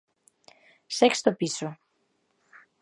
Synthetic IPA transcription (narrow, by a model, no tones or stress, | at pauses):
sekst̪opiso